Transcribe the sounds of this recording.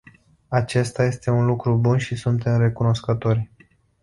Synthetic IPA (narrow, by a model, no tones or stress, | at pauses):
at͡ʃe̞st̪aje̞st̪e̞unlukɾubunʃisunt̪e̞mre̞kuno̞skət̪o̞rʲ